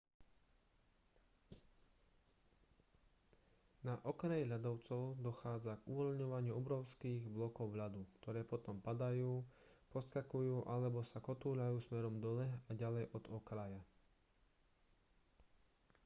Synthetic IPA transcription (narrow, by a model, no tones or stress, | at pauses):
naʔɔknɛjɦʎad̪ɔʊt͡sɔʊd̪ɔxaːd͡zaɡuʋɔʎɲɔʋaɲɪuɔbɾɔʊskiːɣblɔkɔʊʋʎad̪ukt̪ɔɾɛːpɔt̪ɔmpad̪ajuːpɔskakujuːʔalɛbɔsakɔt̪uːlajuːsmɛɾɔmd̪ɔlɛaɟalɛjʔɔd̪ɔkɾaja